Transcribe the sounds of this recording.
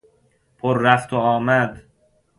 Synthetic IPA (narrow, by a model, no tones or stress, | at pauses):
pʰoɾːæft̪ʰoɒːmæd̪